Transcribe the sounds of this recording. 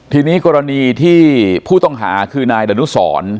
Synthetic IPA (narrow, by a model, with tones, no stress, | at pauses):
t̪ʰiː˧niː˦˥kɔː˧ɾa˧niː˧t̪ʰiː˥˩pʰuː˥˩t̪ɔ˥˩ŋɦa̰ː˩˦kʰɯː˧naː˧jda˧nu˦˥sɔ̰ː˩˦n